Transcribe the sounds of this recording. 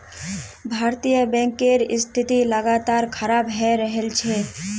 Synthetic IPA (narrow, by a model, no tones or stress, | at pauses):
bʱaːɾt̪ijəbɛ̃ːŋkːeɾɪst̪ʰɪt̪iləɡat̪aːɾkʰəɾaːbɦɛɾəɦelt͡ʃʰɛ